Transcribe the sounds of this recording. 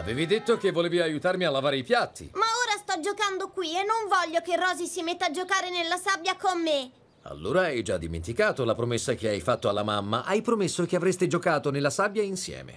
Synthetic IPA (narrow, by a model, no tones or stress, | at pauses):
a̰veːvid̪et̪ːok̟evːoleːviajut̪aɾrmialːavaːɾeipjat̪ːḭmaoːɾast̪ɔd͡ʒokand̪okwienːoɱvɔʎːokerːɔːzisimet̪ːaːd͡ʒokaːɾenelːasabjakomːe | a̰lːoːɾaɛjd͡ʒad̪ːimḛnt̪ikaːt̪olapɾomesːakeajfat̪ːoalːamamːaʔajpɾomesːokeavɾest̪ed͡ʒokaːt̪onelːasabjainsjɛ̰ːmḛ